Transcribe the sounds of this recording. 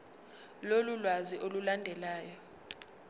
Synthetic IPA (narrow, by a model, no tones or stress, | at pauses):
lolulwaziʔolulandʱɛlaːjɔ